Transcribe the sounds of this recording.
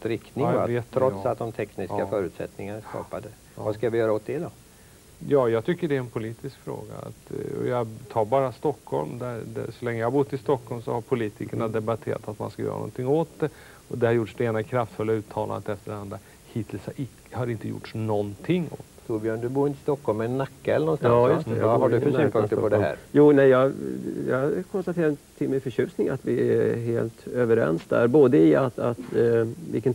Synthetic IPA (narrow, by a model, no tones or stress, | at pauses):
ɾɪkt̪nɪveːt̪ʰːɾɔt̪ssat̪̚d̪ɔmt̪ʰɛknɪsafœːɾʉ̟ːt̪sɛ̰t̪nɪŋanaskɑ̰ːpad̪ə | vaskavɪjœːɾaɔt̪̚d̪ɛd̪ɔ | jɑːjɑːɡ̚t̪ʰʏkːəɖɛæɾɛnpʰʊliːt̪ɪskfɾo̰ːɡa̰a̰t̪ɔ̰jɑɡt̪ʰɑːɾbɑːɾast̪ɔkʰːhɔ̰lmd̪æɾd̪æ̰sɔlɛŋːəjɑhaɾbʊt̪ːɪst̪ɔkːɔlmsɔhaɾpʰʊliːt̪ʰɪkəɳad̪ɛbat̪ʰḛːɾa̰t̪at̪ma̰nskajœ̰ːɾa̰nɔ̰nt̪ʰɪŋːoːt̪̚d̪ɛ | ɔd̪ɛhaɾjʊʈʂd̪ɛeːnakʰɾaft̪fɵlːaʉːt̪ʰɑːlʔa̰nət̪ɛft̪əɖɛand̪ɾa | hiːt̪ʰɪls | haɾɪnt̪əjʊ̰ʈʂnɔnt̪ʰɪŋːo̰ːt̪t̪ʰuːɾbjøːɳd̪ɵbuːɾɪnt̪ʰɪst̪ɔkʰːhɔlmɛnːakːaɛlːəɳnɔnsaɑjst̪ɛaɖɵfœsyːpʰɵŋkt̪əɾpɔd̪ɛɦæ̰ːɾjuːnɛjjɑːɡjɑ̰kʰɔnst̪at̪ʰeːɾat̪ʰɪlmɛfœɕʉ̟ːsnɪŋa̰t̪vɪæɦeːlt̪øːvəɾɛ̰nsd̪æ̰ɾboːd̪əɪat̪a̰t̪vɪ̰kən